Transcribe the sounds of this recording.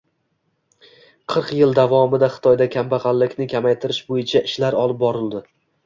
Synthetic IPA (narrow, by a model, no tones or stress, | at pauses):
qʰɨɾqjɪlˠd̪avɒmɪd̪aχɨ̥t̪ʰɒjd̪akʲʰambaʁɑlːɪkʲnɪkʲʰamajt̪ʰɪɾɪʃbojɪt͡ʃʰaʔɪʃlaɾɒlˠɪp̚bɒɾɪld̪ɪ